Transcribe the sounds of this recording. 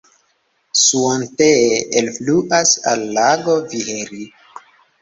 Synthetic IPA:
suonteelfluʔasa̰lːaɡoviheɾi

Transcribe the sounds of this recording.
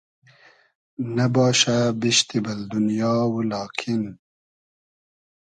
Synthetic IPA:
nɐbɑːʃabiʃt̪ibɐld̪unjɑːwulɑːkʰin

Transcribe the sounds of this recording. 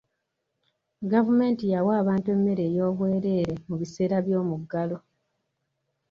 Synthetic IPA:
ɡavume̞ːntijawaːβaːntue̞mːe̞ɾe̞ːjo̞ːβwe̞ːɾe̞ːɾe̞muβise̞ːɾaβjo̞ːmuɡːalo̞

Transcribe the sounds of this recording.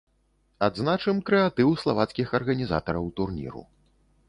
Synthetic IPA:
ad̪znat͡ʂɨmkɾɛat̪ɨwslˠavat̪skʲixɐrɣɐnʲiza̰t̪ɐɾɐwt̪urnʲḭɾṵ

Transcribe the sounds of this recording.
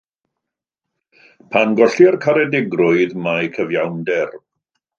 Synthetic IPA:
pʰanɡɔɬiərkʰaɾɛdɪɡrʊɨðmajkʰəvjawndɛr

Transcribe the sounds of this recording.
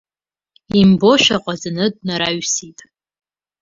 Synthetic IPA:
imbo̞ʃᶣaqʼazɨnɨd̚ʼnaɾaɥsitʼ

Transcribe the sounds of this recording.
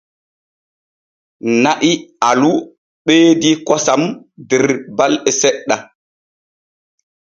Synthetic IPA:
naʔialu | ɓeːdikɔsamdɛɾbalɛsɛɗːa

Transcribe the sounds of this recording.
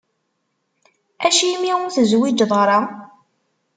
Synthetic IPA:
æʃimiwʊnθəzwid͡ʒðˤɾˤɑ

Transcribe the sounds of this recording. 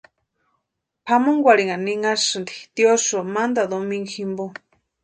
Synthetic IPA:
pʰamoŋɡʷaɾiŋaniŋasɨnd̪i̥t̪iosomand̪ad̪omĩŋɡximbo

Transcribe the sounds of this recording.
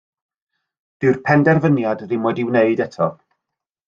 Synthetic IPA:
d̥ɪrpʰɛndɛrvənjadrɪmwɔdɪwneɨdɛtʰɔ

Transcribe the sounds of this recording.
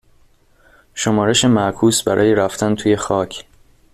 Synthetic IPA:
ʃo̞mɒːɾe̞ʃemæʔkʰuːsbæ̰ɾʔɒːjeɾæft̪ænt̪ʰuːje̞xɒːcʰ

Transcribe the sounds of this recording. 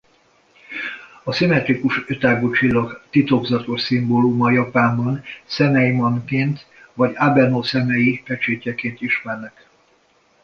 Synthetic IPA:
ɒsimɛt̪ɾikuʃøt̪aːɡot͡ʃilːɒkt̪it̪o̞ɡzɒt̪o̞ʃsimboːlumɒjɒpaːmbɒnsɛmɛjmɒnkeːnt̪ | vɒɟabɛnoːsɛmɛjipɛt͡ʃeːcɛkeːnt̪iʃmɛrnɛk

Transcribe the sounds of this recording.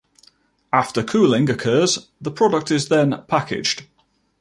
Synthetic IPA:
aftəkʰʉːlɪ̃ŋəkʰɜːzðəpʰɹ̥ɒdək̚tɪzðə̃npʰakɪ̰̥d͡ʒd̥

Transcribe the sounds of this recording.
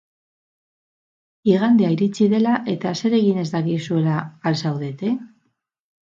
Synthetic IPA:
iɣ̞and̪eaiɾit͡siðe̞laʔe̞t̪ase̞ɾe̞ɣine̞zd̪akisue̞laːlsawðe̞t̪e

